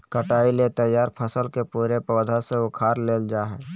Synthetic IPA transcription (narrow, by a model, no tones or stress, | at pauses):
kəʈaːilet̪ɐjːaːɾpʰəsəlkepuːɾepɔːd̪ʱaseʊkʰaːɾleːld͡ʒaːɦɛː